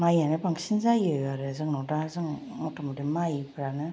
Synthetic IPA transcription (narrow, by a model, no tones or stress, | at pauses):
majanɯbaŋsinzajɯjwaɾɯzɯŋnɔdazɯŋ | nɔtɔmdimajpʰɯɾanɯ